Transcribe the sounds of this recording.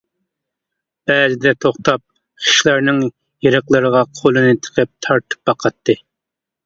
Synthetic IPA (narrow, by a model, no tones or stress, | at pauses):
b̥ɛːlɪd̪ɛt̪ʰoχt̪ɑp̚ | χi̥ʃlˠæɾnɪŋ | jeɾɨqlˠɨɾəʁɑqʰolˠɨnɨt̪ʰə̥qʰɨp̚t̪ʰɑɾt̪ʰɨ̥p̚bɑqʰɑt̪ʰːɨ